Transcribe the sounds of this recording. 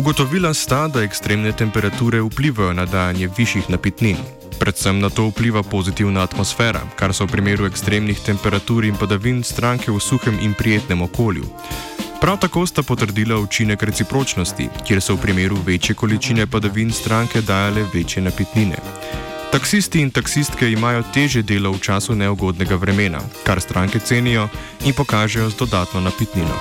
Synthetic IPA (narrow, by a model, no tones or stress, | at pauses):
uɡɔt̪ɔʋiːlast̪ad̪aɛkst̪ɾeːmnɛt̪ɛmpɛɾat̪uːɾɛupliːʋajɔnad̪aːjanjɛʋiʃjixnapit̪nin | pɾɛt̪səmnat̪oːupliːʋapozit̪iwnaːt̪mɔsfɛːɾa̰kaɾsɔwpɾimeːɾuɛkst̪ɾeːmnixt̪ɛmpɛɾat̪uːɾinpad̪aʋinst̪ɾaŋkɛwsuxɛminpɾijeːt̪nɛmɔkoːljṵ | pɾawt̪akost̪apɔt̪əɾd̪iːlaut͡ʃinɛkɾɛt̪sipɾoːt͡ʃnɔst̪ḭkjeːɾsɔwpɾimeːɾuʋeːt͡ʃjɛkɔlit͡ʃiːnɛpad̪aʋinst̪ɾaŋkɛd̪aːjalɛʋeːt͡ʃjɛnapit̪ninɛ̰ | t̪aksist̪iːnt̪aksist̪kɛimaːjɔt̪eːʒjɛd̪eːlawt͡ʃaːsunɛɔɡoːd̪nɛɡaʋɾɛmeːna̰kaɾst̪ɾʔaːŋkɛt̪seːnijɔ | inpɔkaːʒɛjɔzd̪ɔd̪aːt̪nɔnapit̪ninɔ̰